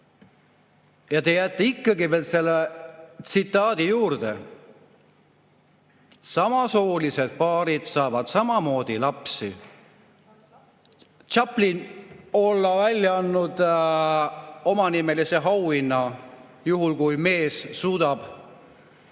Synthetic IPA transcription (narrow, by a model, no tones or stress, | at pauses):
jɑt̪ejæt̪ːˑeikˑːɑɡive̞ːlse̞lːet̪sit̪ˑːɑːd̪̥ijuːrd̪̥e | sɑmɑsoːlise̞d̪̥̚pɑːɾid̪̥sɑːvɑd̪̥sɑmɑmo̞ːd̪̥ilɑpsi | t͡ʃɑplino̞lːɑvælʲːjɑɑnːud̪ | o̞mɑnime̞lise̞ɦɑwinːɑjuɦulkujme̞ːssuːd̪̥ɑb̥